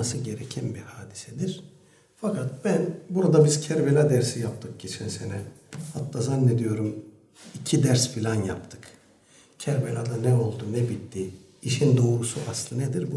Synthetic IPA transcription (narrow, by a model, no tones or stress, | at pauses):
asɯɟe̞ɾecʰænbihaːd̪i̥sɛd̪iɾ̥ | fakʰat̪̚b̥ænbuɾad̪abiz̥cʰæɾbelʲad̪æɾsijap̚t̪ʰɯk̚ɟit͡ʃʰinsenɛhat̪ːazanːed̪ijo̞ɾum | icʰid̪æɾspʰilʲanja̰p̚t̪ʰɯ̥k | cʰæɾbelʲad̪anɛo̞lˠd̪unɛbit̪ːi | iʃind̪o̞ːɾusuʔaslˠɯned̪iɾbu